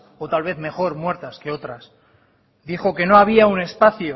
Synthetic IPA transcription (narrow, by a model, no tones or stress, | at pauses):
o̞t̪alβe̞θme̞xo̞ɾmwe̞ɾt̪aske̞o̞t̪ɾas | d̪ixo̞ke̞no̞aβ̞iaune̞spaθjo